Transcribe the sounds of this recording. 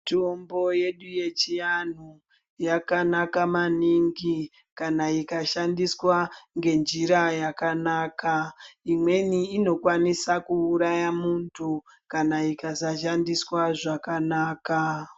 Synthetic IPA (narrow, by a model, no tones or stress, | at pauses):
tombo̞je̞ɗuje̞t͡ʃijan̤u | jakanakamaniŋɡi | kanaikaʃandiswaŋɡe̞nd͡ʒiɾajakanaːkaimwe̞niːno̞kwanisakuːɾajamuntʰu | kanaikasaʃandiswaʐakanaːka